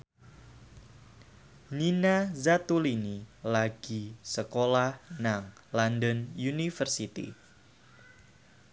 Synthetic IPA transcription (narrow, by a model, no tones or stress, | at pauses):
ninazat̪ulinilaɡ̥isəkolahnaŋlandənjunifərsit̪ḭ